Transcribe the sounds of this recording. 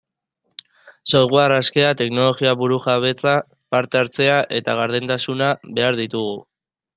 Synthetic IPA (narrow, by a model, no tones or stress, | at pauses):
sojɣwaraske̞at̪e̞kno̞lo̞ɣiaβuɾuʝaβ̞e̞t͡sa | paɾt̪e̞aɾt͡se̞aʔe̞t̪aɣaɾðent̪asunaβe̞aɾðit̪uɣ̞u